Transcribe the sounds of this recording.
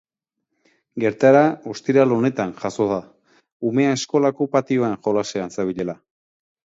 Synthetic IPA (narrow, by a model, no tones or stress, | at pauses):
ɡe̞ɾt̪aɾao̞st̪iɾalo̞ne̞t̪anʝaso̞ð̞a | ume̞ae̞sko̞lakupat̪io̞enʝo̞laseansaβiʎe̞la